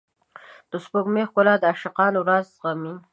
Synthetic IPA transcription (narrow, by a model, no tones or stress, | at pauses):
d̪̥əspoɡmexkolɑd̪əaʃaqɑnwɾazɣamin